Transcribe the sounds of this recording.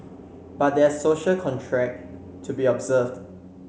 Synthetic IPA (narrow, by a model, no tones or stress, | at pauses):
b̥at̚dɛsoʃəlkʰɔ̃ntʰɹɛk̚ | tʰubiɔbzəvd